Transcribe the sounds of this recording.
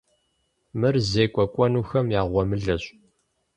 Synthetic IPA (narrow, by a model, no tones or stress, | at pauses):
mɨrzeːkʷʼɔkʷʼɔnuːxɐmjaːʁʷɔmɨɮɐɕʼ